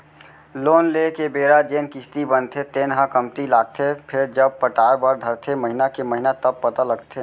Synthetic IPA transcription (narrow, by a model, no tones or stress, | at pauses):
loːnlekebeːɾad͡ʒeːnkɪst̪ibənt̪ʰet̪eːnɦãkəmt̪ilaːɡ̚t̪ʰepʰɪɾd͡ʒəb̚pəʈaːɾbəɾd̪ʱəɾt̪ʰeməɦinakeməɦinat̪əb̚pət̪aləɡt̪ʰe